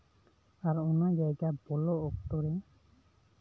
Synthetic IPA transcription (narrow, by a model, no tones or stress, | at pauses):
aɾunaɡakabɔlɔːk̚t̪ɔɾɛ